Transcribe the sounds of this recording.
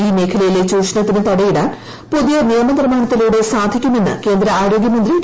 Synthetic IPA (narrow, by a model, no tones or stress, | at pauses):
iːme̞ːkʰɐlɐjilet͡ɕuːʂɐnɐt̪ːinɨt̪ɐɽɐjiɽaːn | poðijɐnijɐmɐnirmaːɳɐt̪ːiluːɽe̞saːd̪ʱikʲːumenːɨ̰ke̞ːnd̪ɾɐaːɾo̞ːɡjɐmɐnd̪ri